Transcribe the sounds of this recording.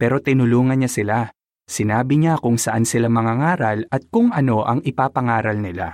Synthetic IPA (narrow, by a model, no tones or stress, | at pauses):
pɛːɾo̞t̪ɪnʊluːŋɐnɲasɪla | sɪnaːbɪɲakʊŋsɐʔansɪlamɐŋaŋaːɾɐlɐt̪̚kʊŋʔɐno̞ʔɐŋɪpaːpɐŋaːɾɐlnɪla̰